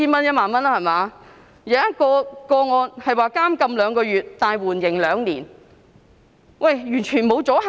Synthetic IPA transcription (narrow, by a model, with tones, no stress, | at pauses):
iː˥nmɐ˥njɐ˥t̚maː˨nmɐ˥nlaː˥hɐ˨˩jmaː˨˧ | jɪ˨ɐ˥t̚kɔː˧kɔː˧ŋɔː˨˧nhɐ˨jwaː˨kaː˥mkɐ˧mlœː˨˧ŋkɔː˧ɥyː˨˩t̪̚t̪ːaː˨˩jwuː˨˩njɪ˨˩ŋlœː˨˧ŋnliː˨˩n | wʔɐ˥˨˩jjyː˨˩nt͡ʃʰyː˨˩nmo˨˧wt͡sɔː˨˥ɦ